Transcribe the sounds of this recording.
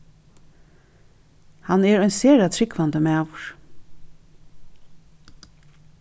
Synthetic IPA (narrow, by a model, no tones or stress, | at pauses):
hanɛɹœʏjnseːɾat̪ʰɾɪkʋand̪əmæːwɹ̥